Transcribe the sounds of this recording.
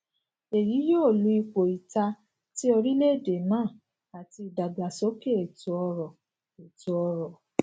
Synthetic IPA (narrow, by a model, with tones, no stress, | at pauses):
e˨ji˨˦jo˦˨lu˨˧˦i˧k͡po˨i˨ta˧ | ti˦ɔ˧ɾi˦le˦˨de˨mãː˦˨ | a˨ti˧˨da˨ɡ͡ba˨so˨˦ke˦e˨tu˨ɔ˧ɾɔ˨ | e˨tu˨˧ɔ˧ɾɔ˨